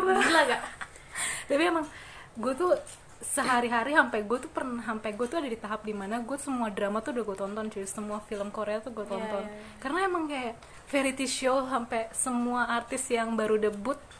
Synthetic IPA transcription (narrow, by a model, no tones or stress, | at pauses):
bəɾət̪laɡaʔ | t̪apiemaŋ | ɡuat̪u | səɦaɾiɦaɾiɦampɛɡuat̪upərnaɦampɛɡuat̪uadadit̪aɦap̚dimanaɡuat̪u̥səmuadɾamat̪udaɡuat̪ɔnt̪ɔnd͡ʒusəmuafiləmkoɾeat̪uɡuat̪ɔnt̪ɔn | kaɾənaemaŋkajaʔ | feɾit̪iʃiosampɛsəmuaːrt̪ɪsjaŋbaɾudəbʊt̪̚